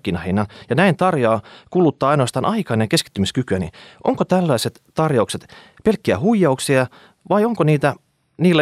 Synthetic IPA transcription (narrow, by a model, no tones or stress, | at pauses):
kːinɑhinːɑnjɑnæint̪ɑrjoːkulut̪ːɑːɑinoɑst̪ɑːnʔɑikɑineŋkeski̥t̪ːymiskykyænḭʔo̰ŋkot̪ælːɑiset̪t̪ɑrjɑukset̪ | pelkːiæhuijːɑuksiɑ | ʋɑioŋkoniːt̪æ | niːlːæ